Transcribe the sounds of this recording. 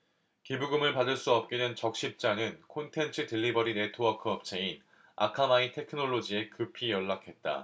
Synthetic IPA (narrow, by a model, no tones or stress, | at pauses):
kibuɡɯmɯɭpadɯɭs͈uʌp̚k͈inɯnt͡ɕʌk̚ɕ͈ip̚t͡ɕ͈anɯnkʰontʰe̞nt͡ɕʰɯtɯɭːibʌɾine̞tʰoakʰɯʌp̚t͡ɕʰein | a̰kʰamaitʰe̞kʰɯnoɭːod͡ʑie̞kɯpʰijʌɭːakʰe̞t̚t͈a̰